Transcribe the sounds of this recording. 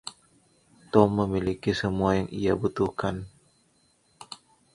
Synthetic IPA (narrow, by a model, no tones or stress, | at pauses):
t̪ɔmːəmilikisəmuajaŋḭabut̪uhkan